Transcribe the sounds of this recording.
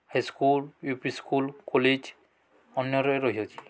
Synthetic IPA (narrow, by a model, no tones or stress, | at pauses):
hajskuljupiskulkɔled͡ʒ | ɔnjɔɾɔeɾoɦiotʰi̥